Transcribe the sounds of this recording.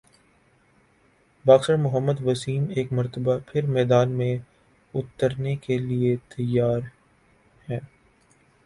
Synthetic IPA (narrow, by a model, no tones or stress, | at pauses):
baːxsəɾmʊɦəmːəd̪ʋɐsiːmeːkmɐɾt̪əbapʰɪɾmɛːd̪aːnmẽ | ʊt̪ːəɾnekeliet̪ɐjːaːɾ | hɛː